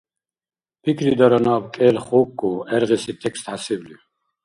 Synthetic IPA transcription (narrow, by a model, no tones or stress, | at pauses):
pʰikʰɾid̪aɾanaːbkʼɛlχɔkːuɛɾʁɛsit̪ʰɛkst̪hasivli